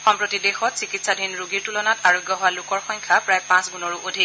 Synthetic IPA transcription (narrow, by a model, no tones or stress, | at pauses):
xɔmpɹotidexɔtsikitsadʱinɹuɡiɹtulɔnataɹoɡjɔɦʊwalʊkɔɹxɔŋkʰapɹajpãsɡunɔɹuʔodʱi